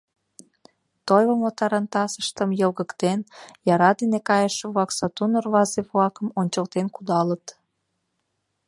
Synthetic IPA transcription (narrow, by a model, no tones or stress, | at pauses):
t̪ojβomot̪ɑɾɑnt̪ɑsəʃt̪əmjəlɣəkt̪enjɑɾɑd̪inekɑjəʃəβlɑksɑt̪unorβɑzeβlɑkəmonʲt͡ɕəlt̪enkud̪ɑlət̪